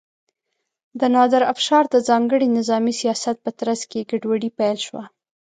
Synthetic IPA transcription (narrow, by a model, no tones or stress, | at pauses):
d̪ənɑd̪aɾafʃɑɾd̪əzɑŋɡəɽinɪzɑmisijɑsat̪̚pət̪ɾazkeɡaɖwaɽipajlʃwa